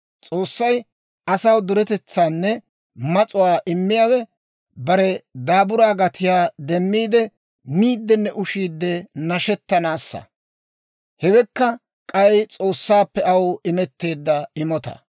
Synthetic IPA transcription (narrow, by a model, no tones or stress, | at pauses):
t͡sʼoːsːɐj | ʔɐsɐwd̪ʊɾɛt̪ɛt͡sːaːnːɛ | mɐt͡sʼʊwaːʔɪmːɪjaːwɛ | bɐɾɛd̪aːbʊɾaːɡɐt̪ɪjaːd̪ɛmːiːd̪ɛ | miːd̪ːɛnːɛʔʊʃiːd̪ːɛnɐʃɛt̪ːɐnaːsːɐ̰ | hɛwɛkːɐ | kʼɐjt͡sʼo̞ːsːaːpːɛɐwɪmɛt̪ːe̞ːd̪ːɐɪmɔt̪ɐ̰